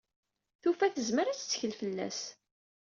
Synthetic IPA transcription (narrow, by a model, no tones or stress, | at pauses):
θufæθəzməɾæt͡sːt͡sːə̥çəlfəlːæ̰s